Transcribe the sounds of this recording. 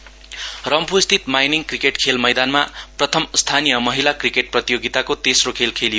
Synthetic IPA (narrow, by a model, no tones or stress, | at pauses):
rʌmpust̪ʰit̪majniŋkrikeʈkʰelmʌjd̪anmaprʌt̪ʰʌmst̪ʰanijʌmʌɦilakrikeʈ̚prʌt̪ijoɡit̪akot̪esrokʰelkʰelijo